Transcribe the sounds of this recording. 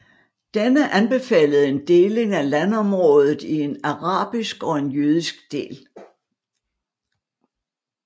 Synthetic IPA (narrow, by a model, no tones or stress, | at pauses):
d̥enəʔænb̥e̝fɛ̰ːləð̞̩ˠe̝nd̥e̝ːle̝ŋælænɒ̽mʁɔːð̞ˠð̩ˠie̝nɑʁɑ̰̈ːb̥isɡ̥ɒ̽e̝njøð̞ˠisɡ̥d̥e̝̰ːl